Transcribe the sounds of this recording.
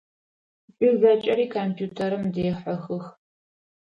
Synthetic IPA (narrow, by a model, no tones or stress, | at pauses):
pʼiʒʷɐt͡ʃʼɐɾiːkʰompʰjuːtʰɐɾɨmdeːħɐxɨx